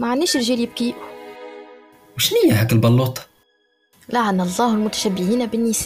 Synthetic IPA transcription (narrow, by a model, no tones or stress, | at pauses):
maʕanːiːʃɪlʒiːljɪb̚kiʔ | wʃnɪjːaɦæːkɪlbɑlːuːt̪ˤɑ̥ | laʕanalˤːɑːhlmʊt̪æ̥ʃæbːɪhiːnbɪnːɪs